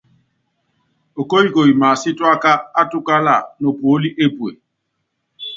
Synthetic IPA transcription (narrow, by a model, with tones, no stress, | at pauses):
o˨ko˦i˦˨ko˨i˨maː˨si˦twa˦ka˦a˦tu˦ka˦la˨nɔ˨po˨˦li˦ʔe˦pwe˨